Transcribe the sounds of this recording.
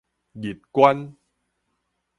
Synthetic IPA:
ɣi˨˩t̚kwa˧n

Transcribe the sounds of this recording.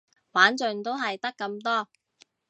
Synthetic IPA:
waː˨˥nt͡ʃɵ˨ŋt̪o˥wɦɐ˨jt̪ɐ˥kːɐ˧mt̪ɔː˥

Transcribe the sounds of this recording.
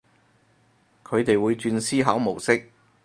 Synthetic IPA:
kʰɵ˨˧ɥt̪e˨jwuː˨˧jt͡ʃyː˧nsiː˥ɦa˨˥wmo˨˩wsɪ˥k̚

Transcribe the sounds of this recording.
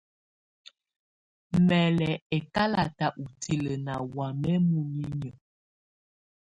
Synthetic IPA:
mɛ˨lɛ˨ɛ˨ka˦la˨ta˨ʔu˨tʰi˦˨lə˨na˨wa˨mɛ˦mu˨ŋi˦ɲə˨

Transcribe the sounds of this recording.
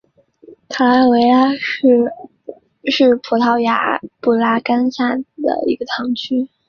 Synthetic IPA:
t̪ʰa˧˥a˥˩we˧˥ɪla˥ʂ̩˥˩ | ʂɻ̩˥˩pʰu˨˩t̪ʰɑ˥˩ʊja̰˧˥pu˥˩la˥ka˥nsa˥˩nd̪ə̰˩ḭ˧˥ɡə˧t̪ʰɑ˧˥ŋt͡ɕʰy˥

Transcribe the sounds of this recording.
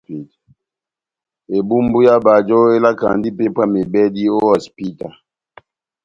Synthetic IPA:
i˨t | e˨bu˦mbu˦ja˦ba˨d͡ʒɔ˦e˦la˦ka̰˨ndi˦pe˦pwa˦me˨bɛ˦di˦o˦ɔ˨spi˦ta˨

